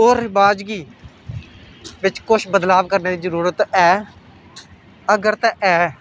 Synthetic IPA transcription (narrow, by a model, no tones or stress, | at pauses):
ɦoːɾɪbaːd͡ʒɡiː | ʋɪt͡ʃkʊʃʰbəd̪laːʋkəɾneːd̪iːzəɾuːɾət̪ɛː | əɡəɾt̪ɛʔɛː